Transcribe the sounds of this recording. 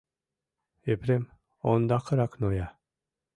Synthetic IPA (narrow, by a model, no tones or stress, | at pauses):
epɾem | ond̪aqʰɯɾaknoja